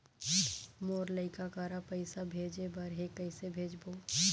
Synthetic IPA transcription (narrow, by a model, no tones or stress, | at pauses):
moːɾləɪkakaːɾapəɪsabʱeːd͡ʒebəɾɦekəɪsebʱeːd͡ʒboː